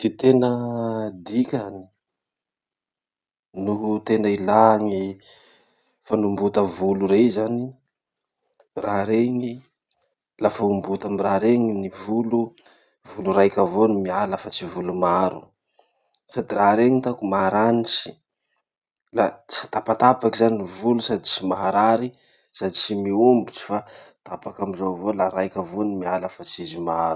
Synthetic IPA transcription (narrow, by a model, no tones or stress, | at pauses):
d̪̥it̪enəd̪ikʲani̥ | nut̪enailaŋi | fanumbut̪əvuluɾezani | raɾeŋi | lafaumbut̪amiraɾeŋinivulu | vuluɾajkʲavonimialafat͡sivulumaaɾṵ | sad̪iraɾeŋit̪akumaaɾanit͡ʃi̥ | lat͡si̥t̪apat̪apakizaninivulusad̪it͡ʃimaɦaɾaɾi | sad̪it͡simiumbut͡si̥fat̪apakamizovolaɾajkʲavonimialəfat͡sizimaaaɾu